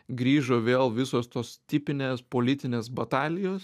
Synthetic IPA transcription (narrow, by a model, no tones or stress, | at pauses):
ɡɾʲiːʒoːʋʲeːlˠʋʲɪsoːst̪oːst̪ʲɪpʲɪnʲeːspoːlʲɪt̪ʲɪnʲeːsbɐt̪ɑːlʲɪjoːs